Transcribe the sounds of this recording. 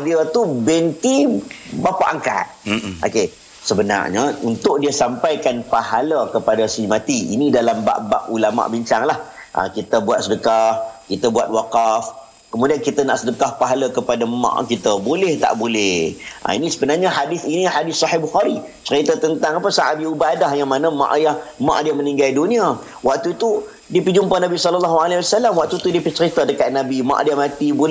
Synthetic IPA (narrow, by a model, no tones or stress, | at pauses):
diət̪ubɛnt̪ibapa̰ʔaŋka̰t̪̚ʔo̰ke | səbəna̰rɲəunt̪ʊʔ̚diəsampajkanpaɦaləkəpadasimãt̪iinidalamba̰ʔba̰ʔulama̰ʔbiɲt͡ʃaŋlah | ʔə̰kit̪əbuat̪̚sədəkahkit̪əbuat̪̚waqaf | kəmudiankit̪ənaʔsədəkahpaɦaləkəpadama̰ʔkit̪əbolɛht̪a̰ʔbolɛhʔa̰inisəbənarɲaɦadɪθinihadɪssːɑɦɪhbuxaɾi | t͡ʃəɾit̪at̪ənt̪aŋapəsaʔa̰ʔ̪̚biubadahjaŋmanəmã̰ʔjahmã̰ʔdiəmənĩŋɡaldunĩa | wʔak̚t̪ut̪u | dipəd͡ʒumpanabisɔləlːaɦualawasalamwak̚t̪ut̪udipət͡ʃəɾit̪adəkat̪̚nabimã̰ʔdiəmãt̪ibol